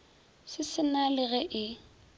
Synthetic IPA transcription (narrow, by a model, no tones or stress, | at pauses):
sɪsɪnalɪɣɛʔɪ